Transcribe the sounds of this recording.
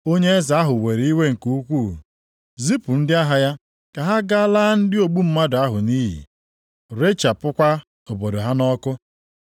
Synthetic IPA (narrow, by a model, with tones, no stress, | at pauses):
o˦ɲe˦za˦ɦʊ˨we˨ɾi˦we˦ŋ̩˨ku˦u˦kʷu˦˨ | zi˦pʊ˨n̩˦dɪ˦a˦ɦa˨ja˦ | ka˨ɦa˦ɡa˦la˦n̩˦dɪ˦o˨ɡ͡bu˦m̩˦ma˦dʊ˨a˦ɦʊ˨ni˦ɦḭ˨ | ɾe˦t͡ʃa˨pʊ˦kʷa˦ | o˨bo˨do˨ɦa˦nɔ˦kʊ˦